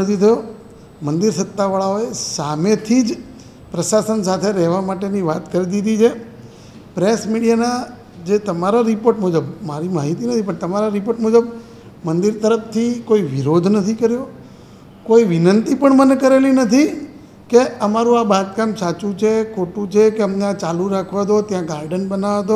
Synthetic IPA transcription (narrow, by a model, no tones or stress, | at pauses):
t̪it̪ʰəjo | mənd̪iɾsət̪ːaʋaɭaoesamet̪ʰid͡ʒ | pɾəʃasənsat̪ʰeɾɛɦʋamaʈeniʋat̪kəɾid̪id̪it͡ʃʰe | pɾesmiɽijana | d͡ʒet̪əmaɾaɾipoɾʈmud͡ʒəbmaɾimaɦit̪inət̪ʰipəɳt̪əmaɾaɾipoʈmud͡ʒəb | mənd̪iɾt̪əɾəpt̪ʰikoiʋiɾod̪ʱnət̪ʰikəɾjo | koiʋɪnənt̪ipəɳmənekəɾelinət̪ʰi | keəmaɾũabat̪kamsat͡ʃũt͡ʃʰekʰoʈũt͡ʃʰekeəmneãt͡ʃalũɾakʰʋad̪ot̪jãɡaɾɖənbənaʋad̪o